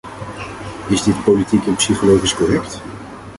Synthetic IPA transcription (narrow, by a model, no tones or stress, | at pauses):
ɪzdɪtpolitikɛnpsiχolowχiskɔrɛkt